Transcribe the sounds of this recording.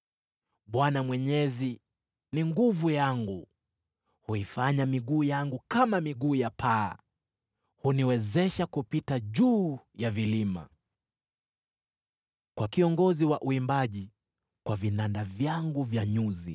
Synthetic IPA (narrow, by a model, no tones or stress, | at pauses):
ɓwanamwɛɲɛzi | niŋɡuvujaŋɡu | huifaɲamiɠuːjaŋɡukamamiɠuːjapʰa̰ː | huniwɛzɛʃakupitaʄuː | javilima̰ | kwakiɔŋɡɔziwaʔuimbaʄi | kwavinandavjaŋɡuvjaɲuzḭ